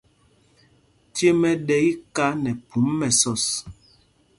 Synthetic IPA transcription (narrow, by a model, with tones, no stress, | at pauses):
tje˦mɛ˦ɗɛ˦i˦ka˦nɛ˨pu˨˦mːɛ˨sɔ˦˨s